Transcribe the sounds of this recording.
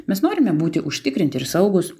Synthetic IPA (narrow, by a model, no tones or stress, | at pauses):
mʲɛsnoːɾʲɪmʲɛbuːt̪ʲɪʔʊʃʲt̪ʲɪkɾʲɪnʲt̪ʲɪɾsɐʊɡʊs